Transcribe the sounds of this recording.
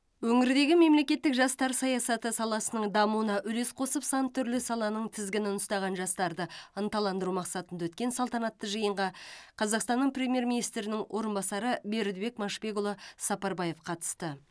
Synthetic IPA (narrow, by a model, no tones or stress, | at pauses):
wɵŋɪɾɪd̪e̞ɡʲɪme̞mle̞kʲe̞t̪ːɪkʒɑst̪ɑɾsɑjɑsɑt̪əsɑlˠɑsənəɴd̪ɑmuənɑʔʏle̞sqʰo̞səpsɑnt̪ʰːʏɾlɪsɑlˠɑnəɴt̪ʰɪzɡʲɪnɪnʊst̪ɑʁɑnʒɑst̪ɑɾd̪əənt̪ɑlˠɑnd̪əɾumɑqsɑt̪ənd̪ɑwɵt̪̚kʲe̞nsɑlˠt̪ɑnɑt̪ːəʒəjəɴʁɑqʰɑzɑqst̪ɑnːəɴprʲe̞mʲje̞ɾmʲinijst̪ɾɪnɪŋwʔo̞ɾənbɑsɑɾəbe̞ɾd̪be̞k̚mɑʃpe̞ɡolˠosɑpɑɾbɑje̞fqʰɑt̪ə̥st̪ə